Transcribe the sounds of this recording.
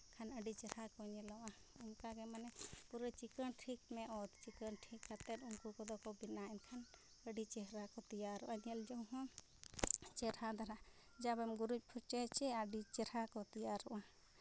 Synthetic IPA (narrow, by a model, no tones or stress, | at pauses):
kʰanəɖit͡ʃɛɾakɔɲɛlɔʔa | ɛmkaɡɛmanɛpuɾɛt͡ʃikənʈʰikmɛʔɔt̪t͡ʃikənʈʰikːat̪ɛnuŋkukɔd̪ɔkɔbinaɛmkʰan | əɖit͡ʃɛɦɾakɔt̪ijaɾɔʔaniɛld͡ʒɔwɦɔ̃ | t͡ʃɛɾad̪aɾa | d͡ʒabɛmɡuɾut͡ʃpʰɔt͡ʃɛt͡ʃɛaɖit͡ʃɛɾakɔt̪ijaɾɔʔa